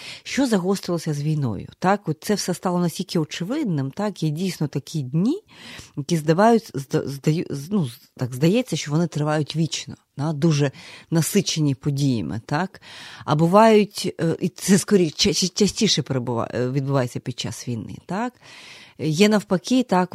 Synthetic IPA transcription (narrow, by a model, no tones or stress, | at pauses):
ʃt͡ʃɔzɐɦɔst̪ɪlˠɔsʲɐzʋʲijnɔ̰jʊ̰t̪akɔt̪̚t̪sɛwsɛst̪ɑlˠɔnɐsʲtʲilʲkɪɔt͡ʃɪʋɪd̪nɪmt̪ɑkjɛdʲijsʲnɔt̪ɐkʲʰidʲnʲijɐkʲizd̪ɐʋajʊtʲzd̪ɐ̰zd̪ɐjnu | t̪aɡzd̪ɐjɛt͡sʲːɐʃt͡ʃɔʋɔnɪt̪ɾɪʋɑjʊtʲʋʲit͡ʃnɔd̪̥ad̪uʐɛnɐsɪt͡ʃenʲipɔdʲijɐ̰mɪ̰t̪akɐ̰bɪʋɑjʊtʲʔit̪sɛskɔɾʲit͡ʃɐt͡ʃt͡ʃɐsʲtʲiʃɛpɾebʊa̰ʋʲid̪̚bɪʋajet͡sʲːɐpʲid̪̚t͡ʃa̰sʋʲijnɪ̰t̪ak | jɛnɐwpɐkʲit̪ak